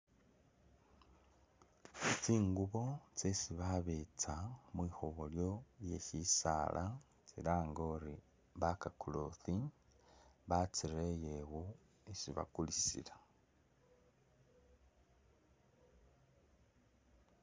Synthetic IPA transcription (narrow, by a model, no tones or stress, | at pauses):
t͡siːŋɡuβo̞t͡sesiβaβet͡samwixoβoljo̞lje̞çisa̰lʔa | t͡silaːŋɡoɾi | βakakuloθi | βat͡siɾejeɣu | isiβa̰kulisḭla